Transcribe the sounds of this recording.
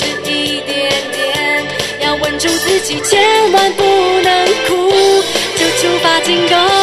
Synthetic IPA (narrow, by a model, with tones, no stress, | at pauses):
i˧t̪jɛ˨˧˩nt̪jɛ˥njɑ˧ʊwə˧˥nʈ͡ʂu˥˧t͡sɹ̩˥˧t͡ɕi˨˩t͡ɕʰjɛ˧˦˥nma˧˥npu˧nə˧˦ŋkʰu˧˥t͡ɕjo˧˩ʊʈ͡ʂʰu˧˥fa˧˥t͡ɕi˥ŋkɔ˧˦